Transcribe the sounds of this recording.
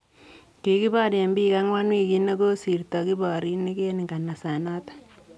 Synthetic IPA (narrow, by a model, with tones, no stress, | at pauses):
ki˨ki˦bɔ˦ɾe˨mbi˦ka˦ŋwa˦nwi˦ki˦ne˦ko˦si˨rtɔ˨ki˦bɔ˨ɾi˦ni˦ke˦ni˨ŋɡa˨na˨sa˨na˦tḁ˦